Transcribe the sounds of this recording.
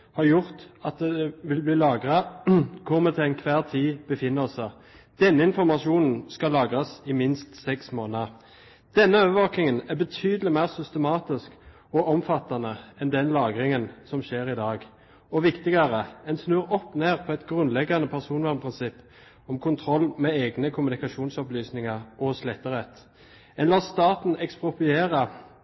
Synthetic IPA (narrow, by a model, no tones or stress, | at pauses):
hɑʁjʊʁt̪ɑt̪̚d̪ɛɛʋɪlbliːlɑːɡʁɑkʰɔʁmət̪ʰɪlɛɪnkʰʋæːʁt̪ʰiːb̥əfɪnːəsə | d̪̥ɛnːəɪnfɔʁmɑʃuːnn̩skɑlɑːɡʁɑsɪmɪnst̪sɛksmoːnə | d̪̥ɛnːəøːʋəʋɑːknɪŋənæbət̪ʰyːd̪əlɪmæɪʁsʏst̪əmɑːt̪ɪsk | ɔʔɔmfɑt̪ːɑnəɛnd̪ɛnlɑːɡʁɪŋənsɔmʃeːʁɪd̪ɑːɡ | ɔʋɪkt̪ɪɡɑʁəɛnsnøːʁɔpːneːʁpʰɔɛt̪ɡʁʉnlɛɡːɑnəpʰæʁsuːnʋæʁmpʰʁɪnsɪpː | ɔmkʰʊnt̪ʰʁɔlːmeeːɡnəkʰʊmʉnɪkɑʃuːnsɔplyːsnɪŋɑʁʔɔslæt̪əʁɛt̪ | ɛnlɑːst̪ɑːt̪n̩ɛkspʊpʏeːʁɑ